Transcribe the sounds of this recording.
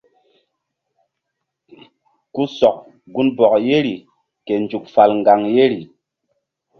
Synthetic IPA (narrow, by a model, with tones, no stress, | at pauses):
ku˦sɔ˨k̚ | ɡu˦nbɔ˨k̚je˦ɾi˨ | ke˨n˨d͡ʒu˨k̚fa˨lŋ˨ɡa˨ŋje˦ɾi˨